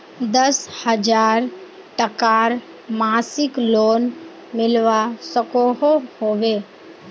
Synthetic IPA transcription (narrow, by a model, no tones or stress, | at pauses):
d̪əshəd͡ʒaːɾ | ʈəkaːɾ | maːsɪkloːn | mɪlʋasəkoɦohoːʋeː